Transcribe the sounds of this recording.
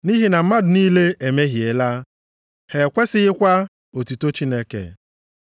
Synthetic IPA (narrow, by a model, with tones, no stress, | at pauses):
ni˦ɦi˨na˨m̩˦ma˦dʊ˨niː˦le˦e˨me˦ɦi˨e˨la˦ | he˨kʷe˦sɪ˦ɣɪ˦kʷa˦ | o˨tu˨to˦t͡ʃi˦ne˦kḛ˨